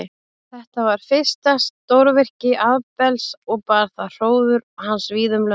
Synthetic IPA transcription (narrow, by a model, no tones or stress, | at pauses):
θɛht̪avaɾ̥fɪ̥st̪ast̪owɾvɪr̥cɪʔaðpɛlsɔɣpaɾθaðr̥oːwðʏɾɔhansviːðʏmlœ